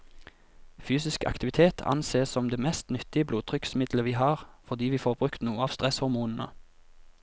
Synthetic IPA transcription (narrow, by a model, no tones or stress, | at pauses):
fyːsɪskʰɑ̰kt̪ɪʋɪt̪ʰeːt̪ʰɑ̰nseːsɔmd̪eːmɛst̪nʏt̪ɪəbluːt̪ʰʁʏksmɪd̪ləʋiːɦɑːʁfɔd̪iːʋiːfoːʁbʁʉkt̪nuːəɑːʋst̪ʁɛshɔʁmuːnn̩ə̰